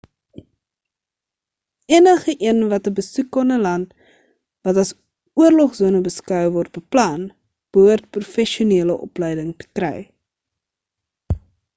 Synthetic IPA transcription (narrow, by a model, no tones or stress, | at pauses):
iənəχəʔiənvɐtəbəsukːɔnəlɐnt | vɐtɐs | uərlɔχzuːnəbəskœwvɔrt̚bəplɐn | b̥əɦuərt̚prufɛʃiuniələʔɔ̰plɛjdəŋtə̥krɛ̰j